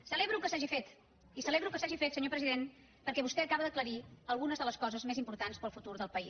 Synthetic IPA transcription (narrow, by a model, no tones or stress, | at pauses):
səleβɾukəsaʒifet̪ | isəleβɾukəsaʒifet̪səɲopɾəziðen | pəɾkɛβust̪ɛəkaβəðəkləɾiəlˠɣunəzðələskɔzəzmezimpuɾt̪anspəlˠfut̪uɾðəlˠpəis